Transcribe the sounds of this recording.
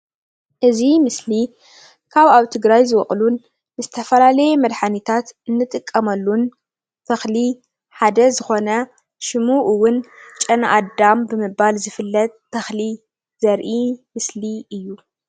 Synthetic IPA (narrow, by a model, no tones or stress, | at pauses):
ʔɨzimɨsli | kʰaβaβt̪ʰɨɡɾajzɨwɔ̰χʼlunː | ɨzɨt̪ʰɐfɐlalɐjɛmɐd̪ħanit̪ʰat̪ɨnːɨt̪ʼɨkʼːɐmɐlːun | t̪ʰɐxli | ħad̪ɐzɨxo̞nɐ | ʃɨmuʔɨwːʊnt͡ʃʼɐnʔa̰d̪ambɨmɨbalzɨfɨlːɐt̪̚ːʰɐxli | zɐɾʔimɨsliʔɨjːu